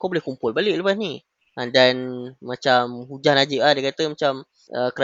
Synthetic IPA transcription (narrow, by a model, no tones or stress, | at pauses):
kawbolɛhkumpʊlbalɪʔləpasni | ʔadanmat͡ʃamhud͡ʒahnad͡ʒiʔlahdakat̪əmat͡ʃam | ʔəkəɾa